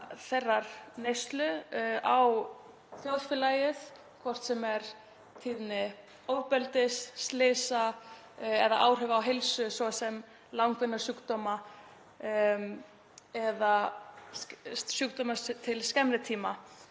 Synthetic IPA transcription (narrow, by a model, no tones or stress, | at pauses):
θɛrːaɾ̥nejst̪lʏaw | θjoðfɪlaːjɪθ | kʰvɔr̥t̪sɛmɛɾ | t̪ʰiðnɪ | oːwpɛlt̪ɪsːt̪lɪːsa | ɛða̰ʔaːwr̥ʏvaːwɦelsʏsvɔasɛm | lawŋkvɪnːaɾ̥suːkt̪ɔːma | ɛða | sykt̪ɔmat̪ʰɪlscɛmnɪt̪ʰiːma